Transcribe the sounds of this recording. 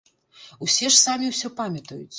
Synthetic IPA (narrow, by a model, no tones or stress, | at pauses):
usʲɛʂsamʲiwsʲɔpamʲɐt̪ɐjut͡s̪ʲ